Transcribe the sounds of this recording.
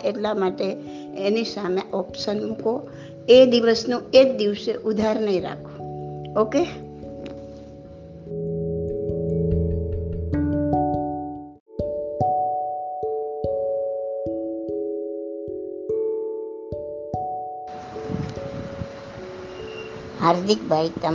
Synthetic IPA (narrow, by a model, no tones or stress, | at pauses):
ʔeʈlamaʈe | enisameʔɔpʃənko | ed̪iʋəsnũek̚d̪iʋseʔud̪ʱaɾnəɦĩɾa̰kʰõoke | haːɾd̪ʱɪkbʱait̪ə